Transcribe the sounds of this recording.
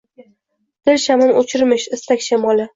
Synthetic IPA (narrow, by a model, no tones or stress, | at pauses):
d̪̥ɪlʃamɪnot͡ʃʰɪɾmɪʃɪst̪ʰakʲʃamɒlˠɪ